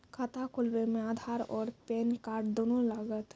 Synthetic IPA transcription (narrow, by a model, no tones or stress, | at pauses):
kʰat̪akʰʊlwemẽaːd̪ʱaːɾɔːɾpeːnkaːɾɖ̚d̪oːnõlaɡət̪